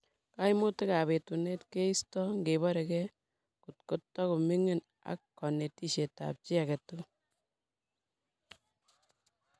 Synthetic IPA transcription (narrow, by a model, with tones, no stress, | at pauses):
ka˦jmo˦te˦ka˨βe˨tu˨ne˦tke˦i˦stɔ˦ŋɡe˨βɔ˦ɾe˨kɛ˦ | ku˨tko˦tːɔ˦ku˨mi˦ŋe˦n | a̰˨kːɔ˨ne˨ti˦ʃe˨ta̰˨p̚t͡ʃi˦a˨ke˨tu˦